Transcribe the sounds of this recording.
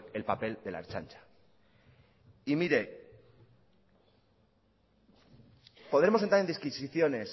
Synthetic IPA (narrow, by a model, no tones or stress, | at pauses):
e̞lpape̞ld̪e̞la̰ɾt͡ʃa̰nt͡ʃḁ | imiɾe̞ | po̞ðɾe̞moent̪ɾaɾend̪iskisiθjo̞ne̞s